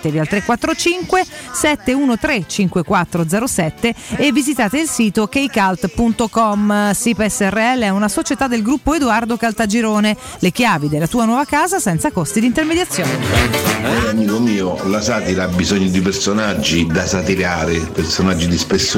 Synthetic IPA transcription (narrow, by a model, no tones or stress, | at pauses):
t̪evialt̪ɾekːwat̪ːɾot͡ʃiŋkwesɛt̪ːeuːnot̪ɾet͡ʃiŋkwekwat̪ːɾod̪zɛɾosɛt̪ːeːvːizit̪aːt̪eilsiːt̪okejkalt̪punt̪okɔmsipɛsːɛrːeɛlːeɛunasot͡ʃet̪ad̪ːelɡɾupːoed̪uard̪okalt̪ad͡ʒiɾoːne | lek̟jaːvid̪elːat̪uːanwɔːvakaːzasɛnt̪sakost̪id̪int̪ermed̪jat̪sːjoːne | oɾaamiːkomiːolasaːt̪iɾaabːizɔɲːod̪ipersonad͡ʒːid̪asat̪iɾaːɾepersonad͡ʒːid̪ispesː